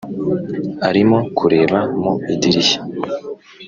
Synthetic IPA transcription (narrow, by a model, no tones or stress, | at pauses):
aɾimo̞kʰuɾe̞ːβamoidiɾiçe̥